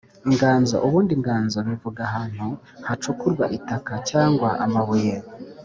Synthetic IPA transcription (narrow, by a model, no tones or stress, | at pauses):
iŋɡaːnzo̞̰ʔuβuːndiŋɡaːnzo̞βivuɡaɦaːn̥hu | hat͡ʃukuɾɡwaʔitakacaːŋɡwaʔa̰maβweːɾa